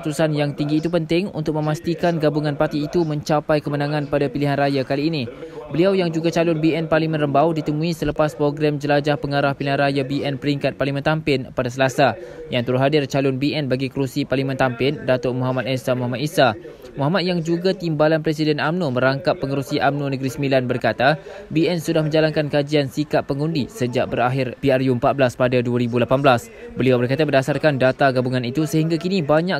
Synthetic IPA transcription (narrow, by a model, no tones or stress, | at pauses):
t̪usanjaŋt̪iŋɡiːt̪upənt̪ɪŋṵnt̪ʊk̚mə̃mast̪ikanɡabuŋãnpart̪iːt̪umə̃ɲt͡ʃapajkəmənãŋãnpadapiliɦanrajakaliːnibəliawjaŋd͡ʒuɡat͡ʃalʊnbiɛnparlimə̃nrəmbawdit̪əmũisələpaspɾoɡɾamd͡ʒəlad͡ʒahpəŋaɾahpiliɦanrajabiʔɛnpəɾiŋkat̪̚paɾrlimə̃nt̪ampɪnpadasəlasajaŋt̪əɾuɦadɪrt͡ʃalʊnbiɛnbaɡikɾusiparlimə̃nt̪ampɪndat̪oʔmɔɦamat̪̚ɛsamɔɦamat̪̚isa | muɦamat̪̚jaŋd͡ʒuɡat̪imbalanpɾɛsidɛnamnumə̃ɾaŋkapːəŋəɾusiʔamnunəɡɾisəmilanbərkat̪abiɛnsudahmə̃ɲd͡ʒalankankad͡ʒiansikaʔːəŋundisəd͡ʒaʔbəɾaɦɪrpiarjuəmpat̪̚blaspadaduaɾibulapanbəlas | bəliawbərkat̪abərdasarkandat̪aɡabuŋãnit̪usəɦiŋɡakinĩbaɲã